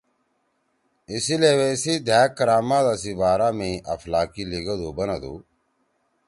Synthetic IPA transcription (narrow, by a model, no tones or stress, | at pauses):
ɪsileʋesiːd̪ʱaːkːɐɾaːmaːd̪asibaːɾaːmẽːʔɐ̰flaːkiliɡəd̪oːbɐnɐd̪ṵː